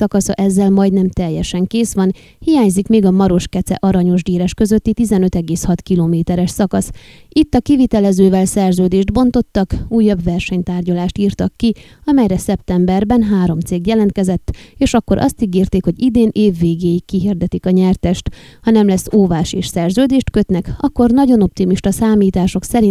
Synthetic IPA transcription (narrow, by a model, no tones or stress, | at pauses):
ɒkɒsɒ̰ʔɛzːɛlmɒjd̪nɛmt̪ɛjːɛʃɛŋkeːsʋɒn | hijaːɲzikmeːɡɒmɒɾo̞ʃkɛt̪sɛ̰ʔɒɾɒɲo̞ʒd̪iːɾɛʃkø̞zø̞t̪ːit̪izɛnø̞t̪ɛɡeːshɒt̪kiloːmeːt̪ɛɾɛʃsɒkɒsit̪ːɒkivit̪ɛlɛzøːvɛlsɛrzøːd̪eːʒd̪bo̞nt̪o̞t̪ːɒkuːjːɒbʋɛrʃɛɲt̪aːrɟɒlaːʃt̪iːrt̪ɒkːi | ɒmɛjɾɛsɛp̚t̪ɛmbɛrbɛnɦaːɾo̞mt̪seːɡjɛlɛnt̪̚kɛzɛt̪ːeːʃɒkːo̞ɾʔɒ̰st̪iɡeːrt̪eːkho̞ɟid̪eːnʔeːvːeːɡeːjikːiɦird̪ɛt̪ikɒɲɛrt̪ɛʃt̪hɒnɛmlɛsːoːvaːʃeːʃsɛrzøːd̪eːʃt̪kø̞t̪nɛkɒkːo̞rnɒɟo̞no̞p̚t̪imiʃt̪ɒsaːmiːt̪aːʃo̞ksɛɾi